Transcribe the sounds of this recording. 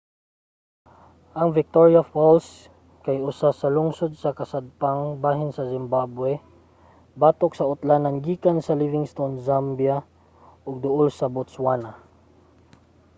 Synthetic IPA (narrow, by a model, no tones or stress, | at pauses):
ʔɐŋvɪk̚t̪oɹjafals | kajʊsasɐlʊŋsod̪̚sɐkɐsad̪̚paŋbaːɦɪnsɐsɪmbabwɛ | baːt̪ok̚sɐʊt̪lanɐŋɡiːkansɐlivɪŋst̪onzambja | ʔʊɡ̚d̪ʊʔolsɐbʊt̪swana